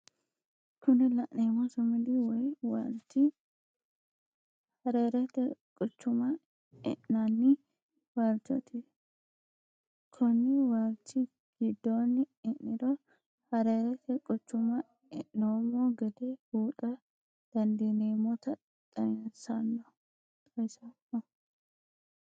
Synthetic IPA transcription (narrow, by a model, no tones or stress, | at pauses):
kʰʊnɛlɐʔneːmɔsɔmɪd̪ɪwɔjwɐlt̪ːɪ | hɐɾeːɾɛt̪ːɛkʼɔt͡ʃːʊmɐ | ɛ̰ʔnɐnːɪ | waɾt̪ɔ̰t̪ʰɪ | kʰɔnːɪwaɾt̪ːɪ | ɡ̥ɪd̪ːoːnːɪɪʔːɪɾɔ | hɐɾeːɾɛt̪ʰɛkʼɔt͡ʃːʊmɐ | ɪʔːoːmoːɡɐd̪ehuːᶑʼɐ | d̪̥ɐnd̪ineːmɔt̪ɐ | t̪ʼɐjɐnsɐnːɔ | t̪ʼɐjsɐnɔ